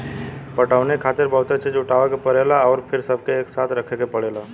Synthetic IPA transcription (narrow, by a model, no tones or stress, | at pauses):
pəʈəʊnekʰaːt̪ɪɾbəɦt̪et͡ʃid͡ʒʊʈaʋekepəɽelaɔːɾpʰɪɾsəb̚ʱkeːksaːt̪ʰɾəkʰekepəɽela